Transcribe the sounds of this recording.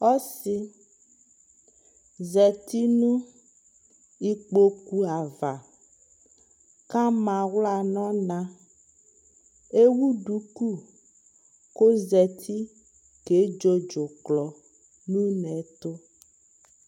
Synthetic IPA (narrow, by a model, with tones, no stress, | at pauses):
ɔ˦si˨ | zɛ˨t̪i˦nũ˦ | i˦k͡po˦ku˦a˨va˨ | kã˦mã˨wla˨nɔ̃˦nã˨ | e˦wu˦ɖu˨˦ku˦ | ko˦zɛ˨t̪ʰi˦ | ke˨˦d͡ʒo˦d͡ʒo˨klɔ˨ | nũ˦nɛ̃˨t̪o˦